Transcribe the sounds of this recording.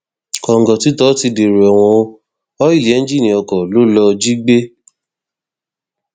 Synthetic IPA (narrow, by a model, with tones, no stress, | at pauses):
kɔ˨ŋ̩˨ɡɔ˨ti˨˦tɔ˦ti˧de˨ɾe˨ɛ˨w̃ɔ̃˧ | ɔ˦i˦˨lɛ˨˦n̩˦d͡ʒi˦nĩ˨ɔ˧kɔ˨lo˦lɔ˧d͡ʒi˦ɡ͡be˦